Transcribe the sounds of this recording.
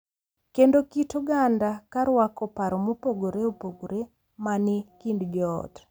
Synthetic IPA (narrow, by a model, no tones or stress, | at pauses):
kendokitoɡandakaɾwakɔpaɾɔmopoɡoɾeopoɡoɾe | manɪkindd͡ʒɔ̰ːt